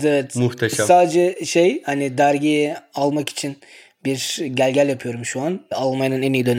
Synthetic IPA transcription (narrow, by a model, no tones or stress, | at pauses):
t̪ɛvɛt̪muht̪ʰeʃsaːd̪d͡ʒɛʃejhanid̪æɾɟijɛalˠmaki̥t͡ʃʰin | biɾɟælʲɟælʲjapʰɯjo̞ɾumʃuanalˠmajanɯnenijid̪ø̞n